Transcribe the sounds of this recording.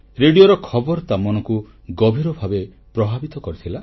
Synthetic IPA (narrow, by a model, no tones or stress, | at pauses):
ɾeɽijoɾɔkʰɔbɔɾɔt̪amɔnɔku | ɡɔbʱiɾɔbʱabe | pɾɔbʱabit̪ɔkɔɾit̪ʰila